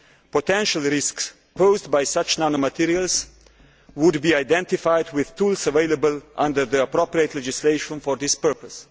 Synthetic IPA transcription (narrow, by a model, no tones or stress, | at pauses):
potɛ̃nʃəlˠɹɪsks | poʊzdbajsʌt͡ʃnanomət̪ʰiɹiəlˠz | wʊdbiaɪdɛ̃ntɪfajdwɪð̥t̪ulsəveɪləbəlʔʌ̰̃ndə˞ðiəpɾopɹiət̪ˡlɛd͡ʒɪsleɪʃə̃nfɔɹðɪspɜ˞pəs